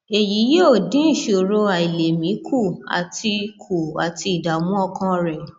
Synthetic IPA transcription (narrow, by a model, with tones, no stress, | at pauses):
e˨ji˨˦jo˦˨dĩ˨˦n̩˦˨ʃo˨ɾo˧a˨i˨le˨mĩ˨˦kʰu˦˨a̰˨ti˧kʰu˨a̰˨ti˧i˨da˨mũ˦ɔ˦˧kã˧ɾɛ˨